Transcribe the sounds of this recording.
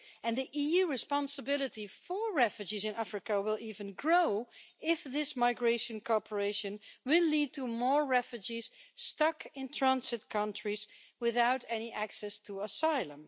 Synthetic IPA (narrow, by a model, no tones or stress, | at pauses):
ɨ̃nðiʔijuɹɨspɑ̃nsəbɪlˠɨtifə˞ɹɛfjɨd͡ʒizɨ̃næfɹɨkəwɪlˠivɨ̃nɡɹoʊɪfðɪsmaɪɡɹeɪʃɨ̃nkʰɔɹpʰə˞eɪʃɨ̃nwɪlid̚tʰumɔɹːɛfjd͡ʒiz̥stʌkɪ̃ntʰɹ̥æ̃nzɨt̚kʰʌ̃ntɹ̥izwɪðaʊtɛniʔæksɛstʰəəsaɪlə̃m